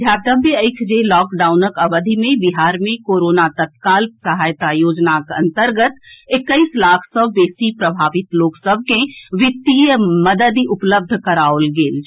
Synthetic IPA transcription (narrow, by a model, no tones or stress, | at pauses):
d̪ʱjaːɾd̪əbeəɪkʰd͡ʒelɔːkɖaːʊnəkəʋəd̪ʱimẽbiɦaːɾmẽkoːɾoːnat̪ət̪̚kaːlsəɦaːjt̪ajoːd͡ʒnakɐ̰̃nt̪əɾɡət̪ɪkːəislaːkʰsɔːeːsipɾəbʱaːʋɪt̪loːksəb̚ʱkẽʋɪt̪ːijəməd̪əd̪iʔʊpləb̚d̪ʱkəɾaolɡeːl